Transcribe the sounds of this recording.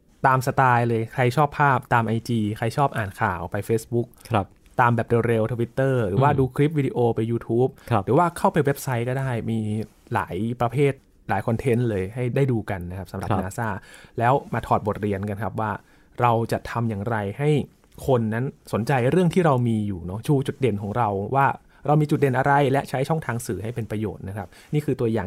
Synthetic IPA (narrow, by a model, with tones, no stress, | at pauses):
t̪aː˧msa˧t̪aː˧jlɤː˧jkʰɾa˧jt͡ɕʰɔː˥˩pʰːaː˥˩p̚t̪aː˧mʔa˧jt͡ɕiː˧kʰɾa˧jt͡ɕʰɔː˥˩p̚ʔaː˨˩nkʰaː˨˩wpa˧jfeː˦˥sbu˦˥k̚p | t̪aː˧mbɛː˨˩p̚dɤ˧ɾe˧wt̪ʰoː˧wi˦˥t̪ːɤː˥˩ɾɯː˩˦waː˥˩duː˧kʰɾi˦˥p̚wiː˧di˧ʔoː˧pa˧jːuː˧t̪ʰuː˦˥p̚ɾɯː˩˦waː˥˩kʰa˥˩wpa˧jwe˦˥p̚sa˦˥jkɔː˥˩daː˥˩jmiː˧ | la̰ː˩˦jpɾa˧pʰeː˥˩t̪̚ | laː˩˦jkʰɔ˧nt̪ʰe˦˥nlɤː˧jha˥˩jdaː˥˩jduː˧ka˧nːa˦˥kʰa˦˥p̚sa˨˦mɾa˨˩ʔnaː˧saː˥˩lɛː˦˥wmaː˧t̪ʰɔː˨˩t̪̚bo˨˩t̪̚ɾi˧ənka˧nkʰa˦˥p̚waː˥˩ | ɾa˧wt͡ɕa˨˩t̪ʰa˧mjaː˨˩ŋɾa˧jha˥˩j | kʰo˧nːa˦˥nso˨˩˦nt͡ɕa˧jɾɯ˥˩əŋt̪ʰiː˥˩ɾa˧wmiː˧juː˨˩nɔ˦˥t͡ɕʰuː˧t͡ɕu˨˩t̪̚de˨˧˩nkʰɔː˩˦ŋɾa˧wwaː˥˩ | ɾa˧wmiː˧t͡ɕu˨˩de˨˩nʔa˧ɾa˧jlɛ˦˥ʔt͡ɕʰa˦˥jt͡ɕʰɔ˥˩ŋt̪ʰaː˧ŋsɯː˩˦ɦa˥˩jpe˧npɾa˧jo̰ː˨˩t̪̚na˦˥kʰa˦˥p̚niː˥˩kʰɯː˧t̪u˧ɐjaː˨˩ŋ